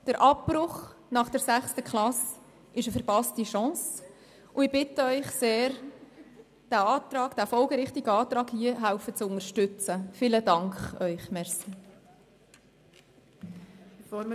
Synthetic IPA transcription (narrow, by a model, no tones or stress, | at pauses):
d̥əɾʔɑpːɾʊχnɑχd̥əɾsæχstəkχlɑs | ɪʃəfəɾpɑstiʃɑ̃ːs | ʊɪb̥ɪtəœʏχseːɾ | d̥æɑːt̪ɾɑːkd̥æfɔlɡəɾɪχtiɡəɑːt̪ɾɑːkhiəɦæʊfət͡sʊnəɾʃtʏt͡səfɪːlədɑŋkχœʏχmɛɾsi | foː